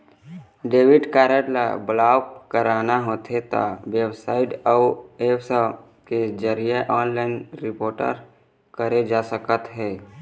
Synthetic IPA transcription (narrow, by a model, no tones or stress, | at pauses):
ɖeːwɪɖkaːɾəʈla̰bəlaːkəɾaːnaɦoːt̪ʰet̪a̰websaːɪʈɔeːbsə | ked͡ʒəɾijeʔɔːnlaːɪnɾɪpoːɾʈə̰ɾ | kəɾed͡ʒaːsəkət̪ɦɛː